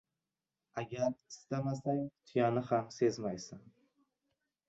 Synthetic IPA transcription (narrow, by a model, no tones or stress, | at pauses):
aɡʲaɾɪst̪amasaŋt̪ʰʊjanɪhamse̞zmajsɪn